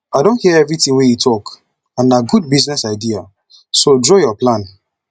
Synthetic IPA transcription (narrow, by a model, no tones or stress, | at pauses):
aɪdõnhiaɛvɹitĩnwejutʰɔk | ãnaɡud̚biznɛsaɪdia | sodɹɔjɔplãn